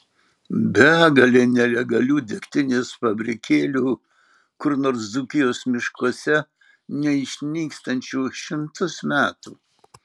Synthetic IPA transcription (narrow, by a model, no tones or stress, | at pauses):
bʲæːɡɐlʲeːnʲɛlʲɛɡɐlʲuːd̪ʲɪkʲt̪ʲɪnʲeːspɐbʲɾʲɪkʲeːlʲuː | kʊɾnoːɾszuːkʲɪjoːsmʲɪʃkuɔsʲɛ | nʲɛɪʃʲnʲiːkst̪ɐnʲt͡ʃʲuːʃʲɪmt̪ʊsmʲæːt̪uː